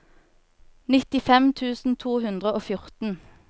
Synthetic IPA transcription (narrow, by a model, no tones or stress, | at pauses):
nɪt̪ɪfɛmt̪ʰʉːsn̩t̪ʰuːhʉnd̪ʁəoːfjʊʁt̪n̩